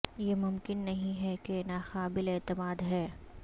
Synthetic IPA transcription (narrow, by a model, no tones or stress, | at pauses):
jemʊmkɪnːɐɦĩɦɛkenaːxaːbɪleːt̪ɪmaːd̪ɦɛː